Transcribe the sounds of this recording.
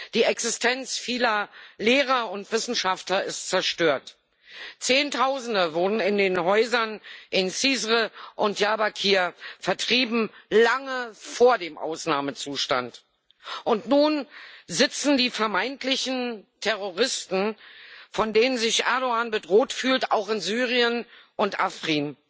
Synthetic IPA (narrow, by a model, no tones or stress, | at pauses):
d̥iːɛksɪstʰɛnt͡sfiːlɐleːʁ̞ɐʊntv̥ɪsn̩ʃaftlɐɪstt͡sɛɐʃtøːɐt | t͡seːntʰaʊzn̩dəvʊɐdn̩ɪndeːnɦɔʏzɐnʔɪnsiːzʁəʔʊntjaːbakʰiːɐfɛɐtʁ̥iːbm̩laŋəfoːɐdeːmʔa̰ʊsnaːmət͡suːʃta̰nt | ʔʊntnuːnzɪt͡sn̩diːfɛɐmaɪntlɪçn̩tʰɛʁoʁ̞ɪstn̩fɔndeːnənzɪçʔɛɐdoaːnbədʁoːtfyːlta̰ʊxɪnzyːʁiənʔʊntʔafʁ̥iːn